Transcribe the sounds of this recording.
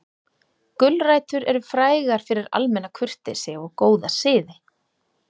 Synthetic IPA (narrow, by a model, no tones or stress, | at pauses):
kʏlraːjt̪ʏɾɛɾʏfɾaːjɣaɾ̥fɪɾɪɾa̰lmɛnːakʰʏr̥t̪ɪsɛɔkoːwðasɪːðɪ